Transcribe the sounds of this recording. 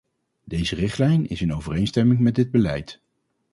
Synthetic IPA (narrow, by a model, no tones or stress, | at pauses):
dejzərɪχtlɛjnɪ̰sɪnowvərejnstɛmɪŋmɛdɪd̚bəlɛ̰jt